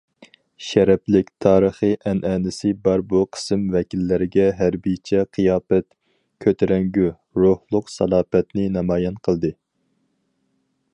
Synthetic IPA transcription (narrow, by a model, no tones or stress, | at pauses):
ʃɛɾɛplɪkʲt̪ʰɑːɾəχɨʔɛnʔɛːnɪsɪbɑɾbuqʰə̥sɨmvɛkʲilːɪɾɪɡʲɛɦæɾbit͡ʃʰɛqʰɨjɑːpɛt̪ | kʲʰøt̪ʰɪɾɛŋɡʲy | ɾohlˠʊqsɑ̰lˠɑːpɛt̪nɪnɑmɑːjɛnqʰəlˠd̪ɨ